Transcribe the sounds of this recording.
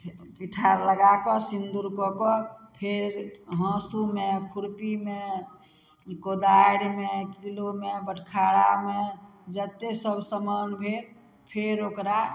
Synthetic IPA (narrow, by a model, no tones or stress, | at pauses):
piʈʰaɾləɡakɔsind̪uɾkɔkɔpʰeɾɾɦɔ̃sumekʰuɽpime | kod̪aɽimekilomebəʈʰkʰaɽame | d͡ʒət̪esəbsəmənbʱe | pʰeɾokɾa